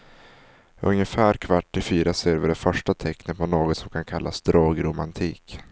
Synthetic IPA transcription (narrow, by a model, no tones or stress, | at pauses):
ɵ̰ŋjəfæːɾkʰvaʈːɪfyːɾaseːɾvɪɖɛfœʂʈat̪ʰɛknət̪̚pʰɔnoːɡɔt̪sɔmkʰankʰalːa̰sd̪ɾoːɡɾʊmant̪ʰiːk